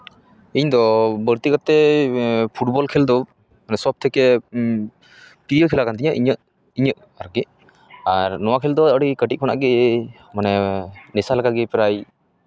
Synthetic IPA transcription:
iɲd̪ɔbəɾt̪ikat̪ɛ | pʰuʈbɔlkʰɛld̪ɔ | manɛsɔb̚t̪ʰɛkɛ | piɾijɔkʰɛlakant̪iɲaʔiɲəʔ | iɲəʔ | aɾɡi | aɾnɔwakʰɛld̪ɔəɽikəʈiʔ̚kʰɔna̰ʔɡɛ | manɛnɛsalakaɡɛpɾaj

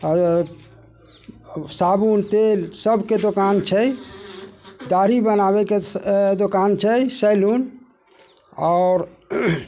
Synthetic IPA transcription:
sabunt̪elsəbʱked̪okant͡ʃʰə | d̪aɾibənaβeked̪okant͡ʃʰɛjsəlun | ɔʊɾ

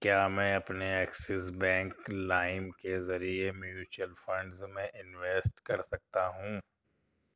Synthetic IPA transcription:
kjaːmɛ̃ːɐpneɛːksɪsbɛ̃ːŋklaːɪmkezɐɾiemjuːt͡ʃuəlfɐ̃ɳɖzmẽʔɪnʋeːsʈkɐɾsɐk̚t̪aɦũː

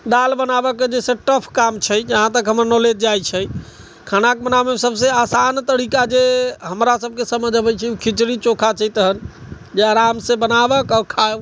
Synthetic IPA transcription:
ɖ̪albənabəkːed͡ʒesẽʈəpʰkamt͡ʃʰəd͡ʒəɦãt̪əkɦəməɾnolet̪̚d͡ʒajt͡ʃʰəj | kʰanakbənamesəbseasant̪əɽikad͡ʒeɦəmɾasəb̚kesəməd͡ʒʱəbəjt͡ʃʰɛukʰit͡ʃɾit͡ʃokʰat͡ʃʰəjt̪əɦən | d͡ʒeaɾamsẽbənabəkɔɾkʰab

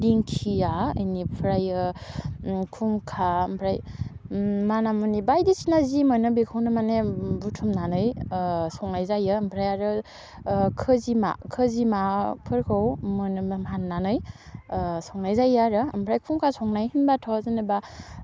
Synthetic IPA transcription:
diŋkʰiaə̰jnipʰɾajɯ | kʰumkʰampʰɾaj | manamunibajdisinazimɔjnɯbikʰɯwnɯmanebutʰumnanɯjsɔŋnajzajɯːmpʰɾajaɾɯ | kʰɯzima̰kʰɯzimapʰɯɾkʰɯwmɯnmɦanːanɯj | sɔŋnajzajaɾɯmpʰɾajkʰumkʰasɔŋnajɦinbatʰawzɯnɯba

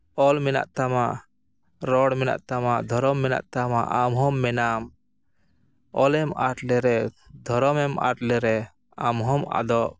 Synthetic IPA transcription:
ɔlmɛna̰ʔt̪amaʔ | ɾɔɽmɛna̰ʔt̪amaʔd̪ʱɔɾɔmːɛna̰ʔt̪amaʔamɦɔmːɛnam | ɔlɛmaʈlɛɾɛ | d̪ʱɔɾɔmɛma̰ʈlɛɾɛ | amɦɔma̰d̪ɔʔ

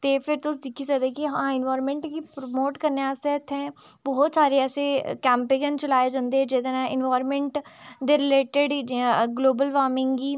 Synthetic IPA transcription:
t̪eːpʰɪɾt̪ʊsd̪ɪkʰid͡ʒaːd̪ekiɦãːɪnʋaːɾmẽɳʈkipɾomoːʈkəɾneaːseːt̪ʰːɛ̃bɔːɔt̪saːɾeɛːsekɛ̃ːmpɪɡənt͡ʃəlaːed͡ʒãːnd̪eɛd͡ʒɪd̪ənɛ̃ɪnʋaːɾmɛ̃ɳʈd̪eːɾɪleːʈeɖɡloːbəlʋaːɾmɪ̃ŋɡɡiː

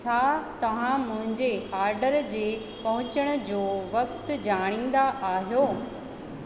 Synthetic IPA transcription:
t͡ɕʰaːt̪ɐʋ̤ãmʊ̃ɦɪ̃ɲd͡ʑeaːɾɖəɾd͡ʑeː | pɐɦʊ̃t͡ɕəɽ̃ə̆d͡ʑoːʋɐkt̪d͡ʑaːɽ̃ĩːn̆d̪aʔaːɦijoː

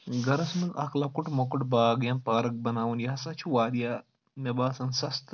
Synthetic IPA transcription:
ɡɐɾɐsmɐzɐkʰlɐkuʈmɐkuʈbaːɡjɐnpaːɾɐk̚bɐnaːwunjɐɦɐsɐt͡ʃʰuwaːd̪jaː | mɐbaːsɐnsɐst̪

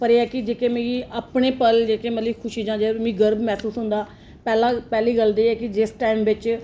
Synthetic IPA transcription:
pəɾeːɛːkɪd͡ʒeːkeːmeːiːʔaːpɳeːpəld͡ʒeːkeːmət̪liːkʰʊʃiːd͡ʒãːd͡ʒeːmĩːɡəɾbmɛːsuːsɦʊ̃nd̪aː | pɛːlãːpɛːliːɡəld̪eːɛːkɪd͡ʒɪsʈaːɪmʋɪt͡ʃ

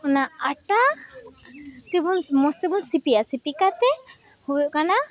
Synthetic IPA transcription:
ɔnaaʈa | t̪ebunmɔst̪ebunsipijasipikat̪ɛhokana

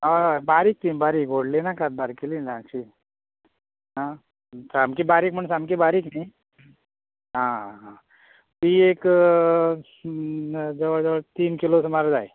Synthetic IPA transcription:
abaɾiːk̚t̪ibaɾiːkoɽlenakat̪̚baɾkililãt͡ɕi | ɦã | samkibaɾiːk̚m̤əɳsamkibaɾiːkna | ɦãã | t̪iek | d͡zəʋəd͡zəʋət̪iːnkilosmaɾd͡zaj

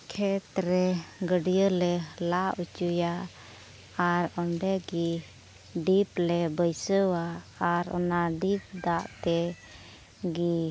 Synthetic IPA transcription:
kʰɛt̪ɾɛɡəɖijəlɛlaʔut͡ʃuja | aɾɔɳɖɛɡi | ɖiplɛbəjsəwaːɾɔ̰naɖip̚d̪aʔt̪ɛ | ɡi

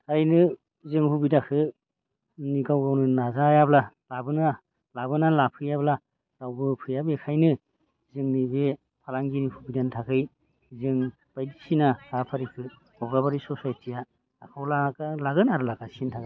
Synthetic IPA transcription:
tʰajnɯ | zɯŋhubidakʰɯ | niɡawɡawnɯnazajabla | labɯna | labɯnalapʰɯjabla | ɾawbɯpʰɯjabekʰajnɯ | zɯŋnibe | pʰalaŋɡinihubidantʰakʰɯj | zɯŋ | b̥ajdisinahapʰaɾikʰɯ | ɔɡabaɾisɔsajtʰija | akʰawlakalaɡɯnaɾɯlakasintʰaka

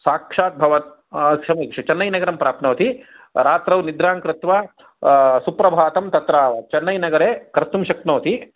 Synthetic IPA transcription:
saːkʂaːt̪̚bʱɐʋɐt̪ | kʂɐmɐkʂɐt͡ʃɐnːɐjnɐɡɐɾɐmpɾaːp̪nɐːɐt̪i | ɾaːt̪ɾɐʋnid̪ɾaːŋkɾɪt̪ʋa | supɾɐbʱaːt̪ɐmt̪ɐt̪ɾaːʋɐt͡ʃɐnːɐjnɐɡɐɾeːkɐɾt̪umʃɐknoːt̪i

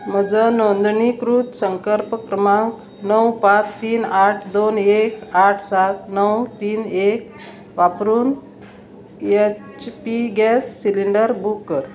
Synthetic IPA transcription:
m̤əd͡zənond̪ɳikɾut̪səŋkəɾpkɾəmãk | nəwpãt͡st̪ːiːnaʈʰd̪onekaʈʰsat̪nəwt̪iːnek̚ | ʋapɾuːn | e | t͡ɕpiɡɛsːiliɳɖəɾbukːəɾ

